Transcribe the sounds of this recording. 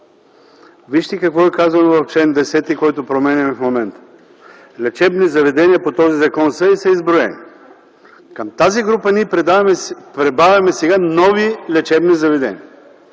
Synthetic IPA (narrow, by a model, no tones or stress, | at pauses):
viʃt̪ikɐkvɔɛkazɐnovɐft͡ʃɛnd̪ɛsɛt̪ikɔjt̪opɾomɛnʲɛmɛfmomɛnt̪ə̥ | lɛt͡ʃɛbnizɐvɛd̪ɛniəpot̪ɔzizɐkɔnsəisəizbɾʊɛ̰ni | kəmt̪aziɡɾupɐniɛ | pɾɛbavʲjɐmɛsɛɡanɔvilɛt͡ʃɛbnizɐvɛd̪ɛ̰nḭɐ